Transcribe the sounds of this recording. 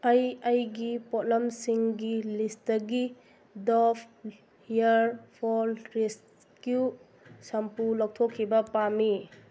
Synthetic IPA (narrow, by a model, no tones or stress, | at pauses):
ɐjɐjɡipot̚lɐmsiŋɡilistɐɡi | dɔpʰ | hijɐɾpʰɔɾɾes | kju | sɐmpulɔk̚tʰokʰːibɐpami